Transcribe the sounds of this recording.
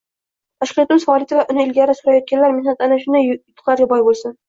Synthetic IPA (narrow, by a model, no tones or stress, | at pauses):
t̪ʰaʃqijɒt̪ɪmɪzfɒːlˠɪt̪ʰɪvaʔʊnɪɪlɡʲaɾɪsʊɾajɒt̪̚kʲʰanlaɾmɪhnat̪anaʃʊnd̪ajʊt̪ʰːʊ̥qlaɾɡʲabɒjbolˠsʊn